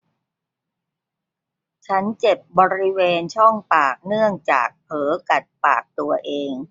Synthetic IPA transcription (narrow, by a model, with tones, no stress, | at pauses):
t͡ɕʰa˦˥nt͡ɕe˨˩p̚bɔː˧ɾi˦˥weː˧nt͡ɕʰɔ˥˩ŋpaː˨˩k̚nɯ˥˩əŋt͡ɕa̰ː˨˩k̚pʰɤː˩˦ka˨˩t̪̚pa̰ː˨˩k̚t̪u˧ɐʔeː˧ŋ